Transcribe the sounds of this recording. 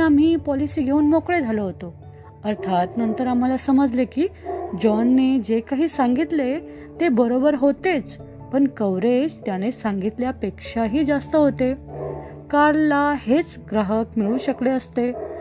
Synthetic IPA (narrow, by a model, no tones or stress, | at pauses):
am̤iːpɔlisiːɡʱeuːnmokɭed͡zʱaloɦot̪o | əɾt̪ʰat̪nənt̪əɾam̤alasəməd͡zlekiːd͡ʑɔnːed͡ʑekaɦiːsaŋɡit̪le | t̪ebəɾobəɾɦot̪et͡s | pəɳkəwɾed͡ʑt̪jañesãŋɡit̪ljapekʂaɦiːd͡zast̪əɦot̪e | kaɾlahet͡sɡɾəɦəkmiɭuːɕəkleəst̪e